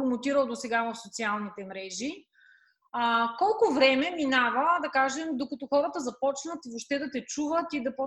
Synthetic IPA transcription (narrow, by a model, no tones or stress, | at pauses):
ɾomot̪iɾəlˠd̪osɛɡavəfsot̪sialˠnit̪ɛmɾɛʒi | əkɔlˠkʊvɾɛmɛminavəd̪ɐkaʒɛmd̪okɐt̪ɔxɔɾət̪əzɐpɔt͡ʃnət̪voʃt̪ɛd̪ɐt̪ɛt͡ʃuvət̪id̪ɐpɔ